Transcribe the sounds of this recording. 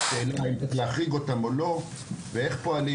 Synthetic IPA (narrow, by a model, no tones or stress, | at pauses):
ʃeːlaimeχleaχʁiɡo̞tamo̞lo̞ | vee̞χpo̞ali